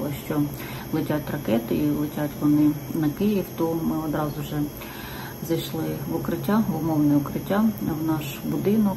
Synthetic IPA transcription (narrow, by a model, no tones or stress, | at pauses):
lˠɔʃt͡ʃɔ | lˠɪtʲatʲrɐkɛt̪ɪilˠɪtʲatʲʋɔnɪnɐkɪjiwt̪ɔmɪɔd̪ɾɑzʊʒɛ | zɐjʃlˠɪʋʊkɾɪtʲːabɔmɔwnɪʊkɾɪtʲːawnɑʃbʊd̪ɪnɔk